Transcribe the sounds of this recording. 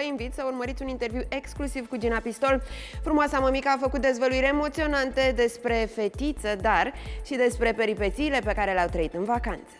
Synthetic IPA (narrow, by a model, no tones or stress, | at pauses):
əinvit̪səurməɾit̪sʲunint̪e̞rviwʔe̞ksklusivkud͡ʒinapist̪o̞lfɾumoasaməmikəafəkut̪̚d̪e̞zvəluiɾʲemo̞t̪sio̞nant̪ed̪e̞spɾe̞fe̞t̪it̪səd̪arʃid̪e̞spɾe̞pe̞ɾipe̞t̪siːle̞pe̞kaɾe̞leawt̪ɾəit̪ɨnvakant̪sə̥